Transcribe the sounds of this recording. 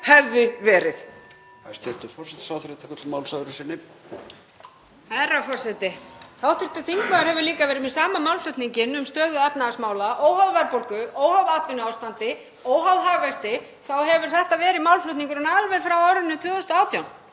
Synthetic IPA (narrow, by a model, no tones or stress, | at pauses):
hɛvðɪvɛːɾɪθ | ast̪ɪɾ̥t̪ʏɾfɔrsɛt̪saːwθɪɾɪt̪ʰakœt̪lmawlsaðɾʏsɪnːɪ | arafɔrsɛt̪ɪθawt̪ʏɾ̥t̪ʏθiŋkvaðʏɾhɛvʏɾliːkavɛːɾɪmɛðsaːmamawlflœɥt̪niŋcɪnʏmst̪œːðʏɛpnaasmaːwlaʔɔwhawvɛɾpolkʏowhavaːt̪vɪnʏaːwst̪ant̪ɪ | ɔwɦawɦaːvɛst̪ɪ | θawhɛvʏɾ̥θɛht̪avɛːɾɪmawlflœt̪niŋkʏɾɛnaðlvɛfɾawaːwɾɪnːɪt̪ʰvʏːðɔst̪ʏaːwt̪ʰjawn